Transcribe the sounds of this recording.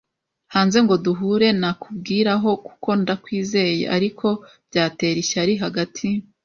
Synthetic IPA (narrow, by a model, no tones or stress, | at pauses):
haːnze̞ŋɡo̞duɦuːɾe̞nakubɡiːɾaɦo̞ku̥ko̞ndakwiːze̞ːjḛʔa̰ɾikʰo̞ | bɟaːte̞ːɾiʃaɾiɦaɡatʰi